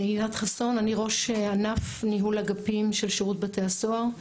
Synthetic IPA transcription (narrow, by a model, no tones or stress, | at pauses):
eilat̪χaso̞naniʁo̞ʃeanafniɦulaɡapimʃelʃeʁut̚beteasoaʁ